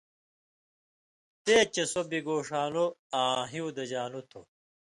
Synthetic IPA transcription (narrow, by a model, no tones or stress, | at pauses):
t̪eːt͡ɕesobiɡoːʂaːnoaːɦiud̪ɐd͡ʑaːnut̪ʰo